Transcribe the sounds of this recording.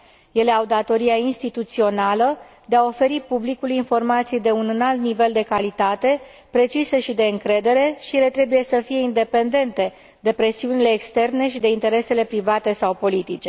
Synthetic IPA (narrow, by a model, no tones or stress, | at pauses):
je̞le̞awd̪at̪o̞ɾiainst̪it̪ut̪sio̞nalə | d̪e̞ao̞fe̞ɾipublikulinfo̞rmat̪sijd̪e̞unɨnalt̪nive̞ld̪e̞kalit̪at̪e̞ | pɾe̞t͡ʃise̞ʃid̪e̞ɨŋkɾe̞d̪e̞ɾe̞ʃijele̞t̪ɾe̞buje̞səfije̞ind̪e̞pe̞nd̪e̞nt̪e̞ | d̪e̞pɾe̞siunile̞ːkst̪e̞rne̞ʃid̪e̞int̪e̞ɾe̞se̞le̞pɾivat̪e̞sawpo̞lit̪it͡ʃe̞